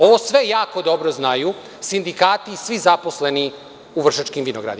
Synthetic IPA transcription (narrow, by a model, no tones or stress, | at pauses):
o̞ʋosʋe̞jaːko̞d̪o̞bɾoznaju | sind̪ikaːt̪isʋizapo̞sleni | uʋr̩ʃat͡ʃkimʋinoɡɾa̰d̪i